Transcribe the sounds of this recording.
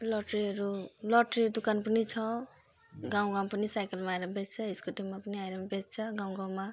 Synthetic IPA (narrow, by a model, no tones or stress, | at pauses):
lʌʈɾiɦʌɾulɔʈɾid̪ukanpənit͡sʰʌ | ɡaw̃ɡaw̃pənisajkelmaajɾʌbett͡sʰʌiskot̪imapʌniajɾʌmbet͡st͡sʰʌɡãw̃ɡãw̃ma